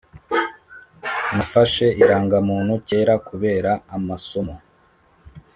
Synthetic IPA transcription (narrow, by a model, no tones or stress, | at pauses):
nafaʃe̞iɾaːŋɡamuːn̥huce̞ːɾakuβe̞ːɾaːmasomo